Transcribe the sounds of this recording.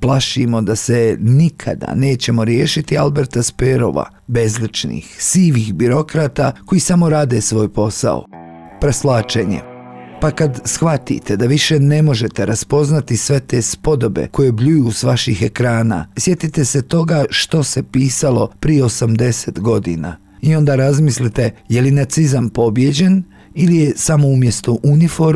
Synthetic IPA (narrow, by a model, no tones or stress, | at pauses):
plˠaʃimo̞d̪ase̞nikʰa̰d̪a̰ne̞ːt͡ɕe̞mo̞ɾje̞ːʃit̪ialˠbe̞ɾt̪aspeɾo̞̰ʋa̰ | be̞zlit͡ʃnḭxsiːʋixbiɾo̞kɾaːt̪ako̞jisamo̞ɾaːd̪e̞sʋo̞ːjpo̞sa̰o̰ | pɾeslaːt͡ʃe̞ɲḛ | pakad̪sxʋat̪ḭt̪e̞d̪aʋiʃe̞ne̞mo̞ʒe̞t̪e̞ɾaspo̞znat̪isʋe̞t̪e̞spo̞d̪o̞be̞̰ko̞je̞bʎujusʋaʃixe̞kɾaːna̰sje̞t̪it̪e̞set̪o̞ɡaʃt̪o̞se̞piːsalo̞pɾijeo̞samd̪e̞se̞t̪ɡo̞d̪ḭna̰ | io̞nd̪aːɾazmislit̪e̞jelinat̪sizampo̞bje̞d͡ʑe̞n | ilije̞samo̞umje̞st̪oʔunifo̞ɾ